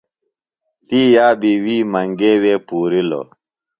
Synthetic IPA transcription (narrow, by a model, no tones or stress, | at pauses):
t̪iːjaːbiwiːmɐŋɡeːweːpuːɾilo̰